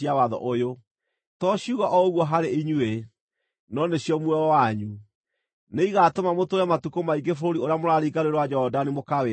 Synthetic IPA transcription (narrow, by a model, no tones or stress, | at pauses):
iawaðɔ̰ʔojo | tɔɕiuɣaʔɔoɣwɔɦaɾeiɲue | nɔneɕijɔmwɛɔwaɲu | neiɣatomamotoɾɛmatukomaiɡefoɾoɾioɾeamoɾaɾiɡaɾeɾowad͡ʒɔɔdanimokawe